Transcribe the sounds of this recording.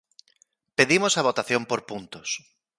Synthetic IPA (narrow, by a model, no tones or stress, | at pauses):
peðimosaβ̞ot̪aθjõmpoɾpunt̪os